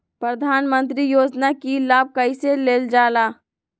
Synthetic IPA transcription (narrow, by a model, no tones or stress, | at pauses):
pɾəd̪ʱaːnmə̃nt̪ɾijoːd͡ʒnakilaːb̚kəiseleːld͡ʒaːlaː